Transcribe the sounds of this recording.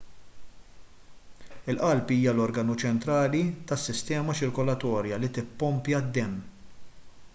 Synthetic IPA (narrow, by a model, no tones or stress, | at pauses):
ɪlʔɐlpiːjɐlɔɾɡɐnut͡ʃɛnt̪ɾɐːlit̪ɐsːɪst̪ɛːmɐt͡ʃɪɾkɔlɐt̪ɔːɾjɐlit̪ɪpːɔmpjɐd̪ːɛmː